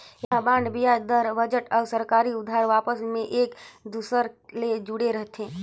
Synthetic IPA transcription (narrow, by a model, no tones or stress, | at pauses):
jãbãːɳɖbijad̪əɾbəd͡ʒəʈɔːsəɾkaːɾiʊd̪ʱːaːɾʋaːpəsmẽʔeːkd̪uːsəɾled͡ʒʊɽeɾɐɦt̪ɦẽː